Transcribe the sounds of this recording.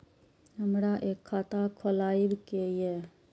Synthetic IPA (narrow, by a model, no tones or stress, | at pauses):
ɦəmɽaːʔeːkʰːaːt̪aːkʰolaːibkeːjɛː